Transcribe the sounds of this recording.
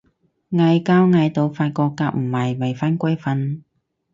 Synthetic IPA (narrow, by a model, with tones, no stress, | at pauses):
ŋɐ˧jkaː˥wŋɐ˧jt̪o˨˧wfaː˧t̚kɔː˧kːaː˧k̚m̩˨˩hɐ˨jwɐ˨˩jfaː˥nkʷɐ˥jfɐ˧n